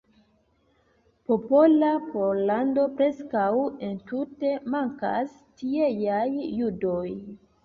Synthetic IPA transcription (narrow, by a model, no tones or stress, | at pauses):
po̞po̞lapo̞lando̞pɾe̞skawe̞ntute̞maŋka̰s | tiejajːudo̞j